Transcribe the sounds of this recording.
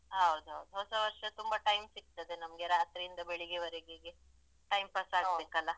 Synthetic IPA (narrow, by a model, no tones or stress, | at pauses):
ɦɐwd̪uɦɐwd̪uɦɔsɐʋɐɾʂɐt̪umbɐʈɐjmsiɡ̚t̪ɐd̪enɐmɐɡe̞ɾaːt̪ɾiːnd̪ɐbeɭiɡeʋɐɾeɡeɡe | ʈɐjmpɐsabekɐlːɐ